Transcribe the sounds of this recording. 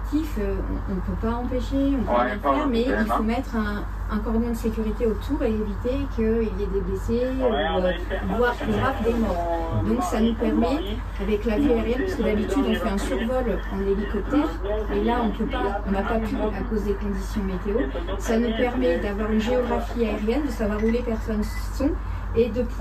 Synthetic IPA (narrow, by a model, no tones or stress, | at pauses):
t̪ʰiføɔ̰̃ɔ̰̃nəpøpaɑ̃peʃeɔ̃pø̃nɛ̃pɛʁmɛilfomɛt̪χɛ̃ː | kɔʁd̪ɛ̃d̪əsekʲyʁit̪eot̪ʰuʁeevit̪ekʰəiljɛd̪ebleseu | vwaʁpliʁapd̪emɔʁ | d̪ɔ̃ksanupɛʁmɛ | avɛklaviaeʁjɛnpḁskəd̪abit̪yd̪ɔ̃fɛɛ̃syʁvɔlɑ̃lelikɔp̚t̪ɛʁ | elaɔ̃pøpakɔ̃napapʰyakozd̪ekɔ̃d̪isjɔ̃met̪eo | sanupɛʁmɛd̪avwaʁynʒeɔɡʁafiaeʁjɛnd̪əsavwaʁulepɛʁsɔn | sɔ̃ | ed̪əp